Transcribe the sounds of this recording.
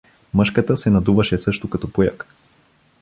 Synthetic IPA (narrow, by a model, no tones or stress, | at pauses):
mɤʃkət̪əsɛnɐd̪uvɐʃɛsɤʃt̪okat̪ɔpoja̰k